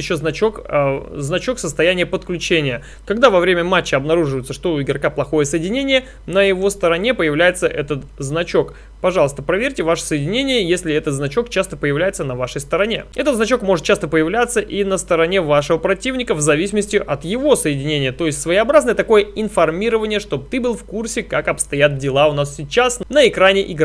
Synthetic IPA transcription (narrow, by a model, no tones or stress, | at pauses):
jɪɕːoznɐt͡ɕokznɐt͡ɕo̞ksəst̪ɐjænʲɪjəpət̪klʲʉt͡ɕenʲɪjə | kɐɡd̪avɐvɾʲemʲəmat͡ɕːɪɐbnɐɾuʐɨvəjɪt̪səʂt̪oɪɡɾɐkaplˠɐxo̞jəsəjɪdʲɪnʲenʲɪjə | nəjɪvo̞st̪əɾɐnʲe̞pəjɪvlʲæjɪt̪səʔɛt̪ət̪znɐt͡ɕo̞k | pɐʐɑlˠəst̪əpɾɐvʲeɾʲtʲɪvaʂə̥səjɪdʲɪnʲenʲɪjəjesʲlʲɪɛt̪ət̪znɐt͡ɕo̞k̚t͡ɕast̪əpəjɪvlʲæjɪt̪sənɐvaʂəjst̪əɾɐnʲe̞ɛt̪ət̪znɐt͡ɕo̞kmo̞ʐɨt̪̚t͡ɕast̪əpəjɪvlʲat̪səʔinəst̪əɾɐnʲevaʂəvəpɾɐtʲivnʲɪkəvzɐvʲisʲɪməsʲtʲɪʔɐt̪jɪvo̞səjɪdʲɪnʲenʲɪjət̪o̞jɪsʲtʲsvəjɪɐbɾaznəjət̪ɐko̞jəɪnfɐrmʲiɾəvənʲɪjəʂt̪o̞b̚t̪ɨbɨlˠfkursʲɪkakɐpst̪ɐjat̪dʲɪlˠaʊnassʲɪt͡ɕasnəɪkɾanʲɪʔɪɡɾ